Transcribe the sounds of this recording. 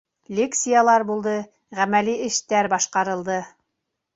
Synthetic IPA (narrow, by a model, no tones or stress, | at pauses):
lʲeksʲijalˠɑɾbulˠd̪ɤ | ʁæmæliɘ̆ʃt̪æɾbɑʃqɑɾɤ̆lˠd̪ɤ